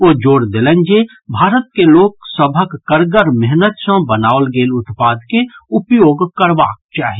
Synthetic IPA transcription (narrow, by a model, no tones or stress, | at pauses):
oːd͡ʒoːɾd̪elɛnd͡ʒe | bʱaːɾət̪̚keloːksəbʱəkːəɾɡəɾmɛɦnət̪sə̃bənaolɡeːlʊt̪paːd̪keʊpjoːɡkəɾba̰ːk̚t͡ʃaːɦi